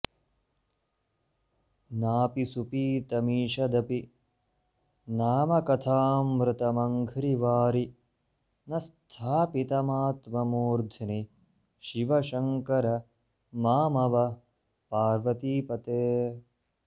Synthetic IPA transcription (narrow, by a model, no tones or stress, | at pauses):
naːpisupiːt̪ɐmiːʃɐd̪ɐpi | naːmɐkɐt̪ʰaːmɾɨt̪ɐmɐŋɡʱɾiʋaːɾi | nɐst̪ʰaːpit̪ɐmaːt̪mɐmoːɾd̪ʱɐni | ʃiʋɐʃɐŋkɐɾɐ | maːmɐʋɐ | paːɾʋɐt̪iːpɐt̪eː